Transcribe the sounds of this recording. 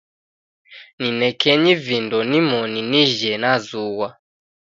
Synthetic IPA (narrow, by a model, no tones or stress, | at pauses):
ninɛkʰɛɲivindɔnimɔniniʒɛnazuwa